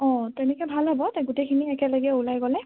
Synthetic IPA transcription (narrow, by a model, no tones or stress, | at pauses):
ɔ̃tɛnɛkɔjbʱalɦɔbɔtaɡutejkʰiniɛkɛlaɡiɛulajɡɔlɛ